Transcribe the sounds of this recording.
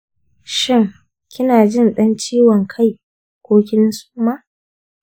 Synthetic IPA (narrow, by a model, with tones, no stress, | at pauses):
ʃɪ˦˨ŋ | kʲɪ˦naː˨d͡ʒɪ˦nɗɐ˦nt͡ʃiː˦wɔ˨ŋkʰa˦˨j | kʷoː˦kʲɪ˦n˦su̥ː˦ma˦ʔ